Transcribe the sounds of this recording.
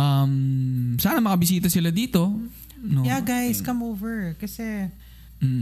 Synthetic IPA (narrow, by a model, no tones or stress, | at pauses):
ʔɐmsaːnɐmɐkɐbɪsiːt̪ɐsɪlad̪iːt̪o̞ | nojaɡajskɐmowvɛɹkɐsɛ | m̩ː